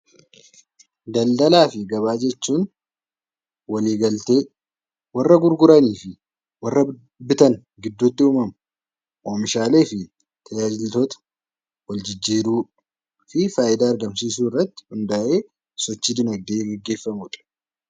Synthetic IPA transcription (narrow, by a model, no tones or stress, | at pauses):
d̪ɐld̪ɐlaːfɪɡɐβaːd͡ʒɛt͡ʃːuːn | wɐliːɡɐlt̪e̞ː | wɐrːɐɡʊɾɡʊɾɐniːfɪ | wɐrːɐ | bɪt̪ɐn | ɡɪd̪ːut̪ːɪuːmɐmɐ | ʔoːmɪʃaːle̞ːfɪ | t̪ɐjaːd͡ʒɪlt̪o̞ːt̪ɐ̥ | wɐld͡ʒɪd͡ʒːiːɾuː | fɪfaːʔɪd̪aːɐɾɡɐmsiːsuːɪrːɐt̪ːɪ̥hʊnd̪aʔeː | sɔt͡ʃːɪd̪ɪnɐɡd̪eːɡɛɡːe̞ːfːɐmuᶑ̪ɐ̥